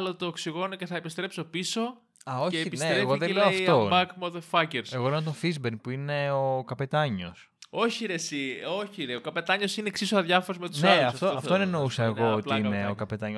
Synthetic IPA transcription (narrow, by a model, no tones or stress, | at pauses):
lot̪oːksiɣo̞noceθɐepist̪ɾe̞pso̞piso̞ | ɐoceːpinet̪ɾeɣoðeleoɐft̪omɐkmoðeɾfɐceɾseɣolenot̪ofizbenpuineokɐpe̞t̪ɐɲo̞̰s | o̞çiɾesio̞çileokɐpe̞t̪ɐɲo̞sineksisoɐðʝɐfoɾozmet̪usneɐluɐsɐt̪oɐft̪onenousɐeɣo̞otlɐineokɐpe̞t̪ɐɲ